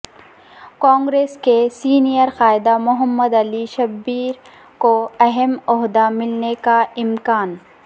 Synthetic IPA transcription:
kɔ̃ːŋɡɾeːskesiːnijəɾxaːɪd̪amʊɦəmːəd̪ɐliʃɐbiːɾ | koɐɦɛmɔɦd̪amɪlnekaɪmkaːn

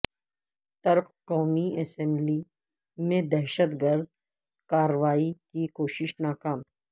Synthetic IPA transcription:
t̪ɐɾqkɔːmiɛsɛ̃mbli | mẽd̪ɛɦʃət̪ɡəɾd̪̚ | kaːɾəʋaːikikoːʃɪʃnaːkaːm

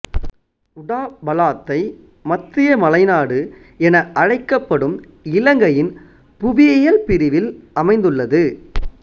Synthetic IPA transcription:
ʊɽaːbɐlaːt̪ːɐɪ | mɐt̪ɾɪjɐmɐlɐɪnaːɽɯ | ɛnɐʔɐɻɐɪkːɐpːɐɽɯm | ɪlɐŋɡɐjɪn | pʊʋɪɐjɐlpɪɾɪʋɪlɐmɐɪnd̪ɯɭːɐðɯ

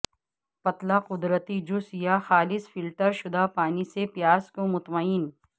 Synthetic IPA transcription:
pɐt̪laqʊd̪ɾət̪id͡ʒʊsjaxaːlɪsfɪlʈəɾʃʊd̪apaːnisepjaːzkomʊt̪məiːn

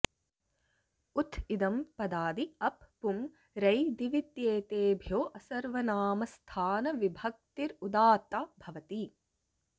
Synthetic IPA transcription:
ut̪ʰid̪ɐmpɐd̪aːd̪iɐpːum | ɾɐjd̪iʋit̪jeːt̪eːbʱjoːʔɐsɐɾʋɐnaːmɐst̪ʰaːnɐʋibʱɐk̚t̪iɾud̪aːt̪aːbʱɐʋɐt̪i

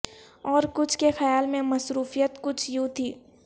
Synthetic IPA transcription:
ɔːɾkʊt͡ʃʰkexɐjaːlmẽmɐsɾuːfijət̪kʊt͡ʃʰjũt̪ʰiː

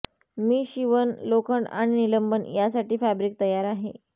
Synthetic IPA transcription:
miːɕiʋənlokəɳɖa̰ɽ̃iniləmbənjasaʈiːfæbɾik̚t̪əjaɾaɦḛ

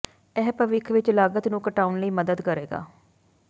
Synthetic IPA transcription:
ɛːpəʋɪkʰʋɪt͡ʃlaːɡət̪nũːkəʈaːʊnləiːməd̪əd̪kəɾeːɡa̰ː

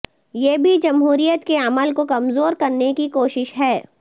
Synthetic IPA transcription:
jeːbʱid͡ʒɐmɦuːɾijət̪keɐməlkokɐmzoːɾkɐɾnekikoːʃɪʃɦɛː

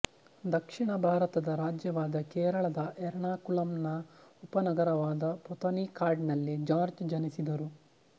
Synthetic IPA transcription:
d̪ɐkʂiɳɐbʱaːɾɐt̪ɐd̪ɐɾaːd͡ʒjɐʋaːd̪ɐkɛːɾɐɭɐd̪ɐʔɛɾɳaːkulɐmnɐupɐnɐɡɐɾɐʋaːd̪ɐpɔt̪ɐnikaːɾɖnɐlːid͡ʒaːɾd͡ʒd͡ʒɐnisid̪ɐɾu

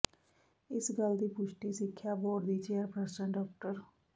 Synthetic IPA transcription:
ɪsɡəld̪iːpʊʃʈiːsɪkʰːjaːboːɖd̪iːt͡ʃeːəɾpɾɛsə̃ɳɖɔːk̚ʈəɾ

